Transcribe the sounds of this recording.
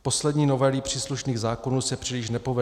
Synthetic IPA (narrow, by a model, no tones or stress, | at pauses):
po̞slɛdɲiːno̞vɛliːpr̥iːsluʃniːɣzaːko̞nuːsɛpr̝̥ilɪʃ̬nɛpo̞vɛ